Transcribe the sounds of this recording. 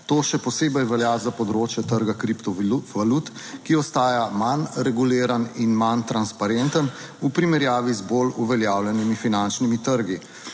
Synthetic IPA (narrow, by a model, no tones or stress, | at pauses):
t̪oːʃɛpɔseːbɛjʋɛljazapɔd̪ɾoːt͡ʃjɛt̪əɾɡakɾipt̪ɔʋalut̪ | kiɔst̪aːjamanɾɛɡuleːɾaninmant̪ɾanspaɾent̪ən | upɾimɛɾjaːʋizboluʋɛljaːwljɛnimifinant͡ʃnimit̪əɾɡi